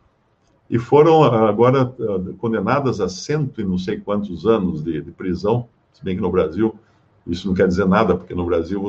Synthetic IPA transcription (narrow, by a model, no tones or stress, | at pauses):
ɪfoɾɐ̃w̃aɡɔɾɐɛkõnd̪enad̪ɐzɐsẽnt̪ʊɪ̃nɐ̃w̃sejkwɐ̃nt̪ʊzɐ̃nʊzd̪ɪd̪ɪpɾizɐ̃w̃ | sɪbẽj̃kɪnʊbɾaziw | isʊnɐ̃w̃kɛɾd̪izeɾnad̪ɐpoɾkenʊbɾaziw